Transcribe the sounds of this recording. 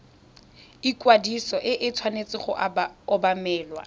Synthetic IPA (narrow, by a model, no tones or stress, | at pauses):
ikwadisɔʔɪʔɪt͡sʰwanet͡sʼɪχʊ̰ʔaɔbamɛːlwa̰